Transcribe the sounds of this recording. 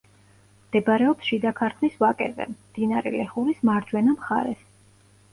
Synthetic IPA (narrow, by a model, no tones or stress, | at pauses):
md̪̥ɛbɾɛɔpsʃid̪akʰaɾt̪ʰmisvakʼɛ̰vɛ̰md̪̥inaɾɛ̰lɛχuɾismaɾd͡ʒwɛnamχa̰ɾɛ̰s